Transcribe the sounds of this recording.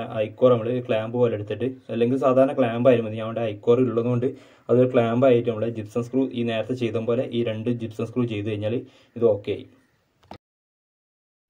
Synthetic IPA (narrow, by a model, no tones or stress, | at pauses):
ɐjkːoːrɐmːɐɭɨkɭaːmbɨʋɐlːeɽut̪ːiʈːɨɐlːe̞ŋɡilsaːd̪ʱaːɾɐɳɐkɭaːmbaːjiɾumɐðɨɲaːmʋiɽeɐjkːo̞ːriiluɭːonːɨkoɳɖɨ | ɐðɨkɭaːmbaːjiʈːnɐmɐɭed͡ʑipsɐnskruːʔiːne̞ːɾɐt̪ːɐt͡ɕe̞jt̪umbo̞ːle̞ʔiːɾe̞ɳɖɨd͡ʑipsɐnskruːt͡ɕe̞jt̪̬ːuɣɐjiɲːaːɭ | iðɨo̞ːkːeja̰ːji